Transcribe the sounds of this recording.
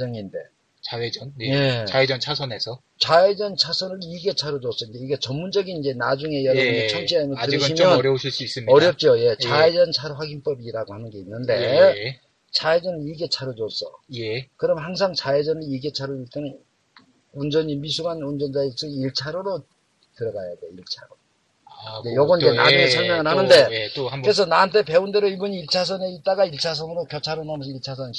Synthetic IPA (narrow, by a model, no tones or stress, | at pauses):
d͡ʑʌŋinde̞ | t͡ɕaed͡ʑʌnje̞aed͡ʑʌnt͡ɕʰasʰʌne̞sʰʌ | t͡ɕaed͡ʑʌnt͡ɕʰasʰʌnɯɾiɡe̞t͡ɕʰaɾod͡ʑos͈ʌind͡ʑe̞iɡe̞t͡ɕʌmːund͡ʑʌɡinid͡ʑe̞nad͡ʑuŋe̞jʌɾʌbuet͡ɕʰʌmɕʰiamɯtɯiɕʰimjʌnɾjʌɕʰiɭs͈uis͈ɯmʌɾjʌp̚t͡ɕ͈oje̞t͡ɕaed͡ʑʌnt͡ɕʰaɾoɸwaɡinp͈ʌbiɾaɡohanɯnɡe̞inːɯnde̞ | t͡ɕaed͡ʑʌnɯniɡe̞t͡ɕʰaɾod͡ʑos͈ʌ̰jkɯɾʌmɦaŋs̬ʰaŋt͡ɕaed͡ʑʌnɯniɡe̞t͡ɕʰaɾoiɭt͈enɯn | und͡ʑʌɲimisʰuɡanund͡ʑʌnd͡ʑaesɯiɭt͡ɕʰaɾoɾo | tɯɾʌɡajadeiɭt͡ɕʰaɾo | d͡ʑejʌɡʌnid͡ʑenad͡ʑuesʰʌɭmaŋɯɭhanɯnde̞ɯɾes̬ʰʌnaɦnt̬ʰe̞pe̞unde̞ɾoibuɲiiɭt͡ɕʰas̬ʰʌneit͈aɡaiɭt͡ɕʰas̬ʰʌnɯɾopjʌt͡ɕʰaɾonams̬ʰiɭt͡ɕʰas̬ʰʌn